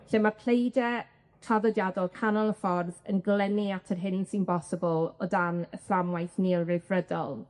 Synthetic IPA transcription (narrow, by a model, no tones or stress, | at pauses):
ɬemarpʰlejdɛ | tʰaðɔdjadɔlˠkʰanɔlˠəfɔrðə̰nɡlɛniatʰərɦɪnsinbɔsəɪbɔlˠɔdanəflamwajθniːlˠrɪvrədɔlˠ